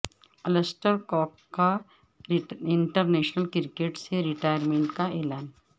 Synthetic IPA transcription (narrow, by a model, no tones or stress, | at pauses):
ɐləsʈəɾkɔːkːa | ɪ̃ɳʈəɾneːʃnəlkɪɾkeːʈseɾɪʈaːjəɾmẽɳʈkaeːlaːn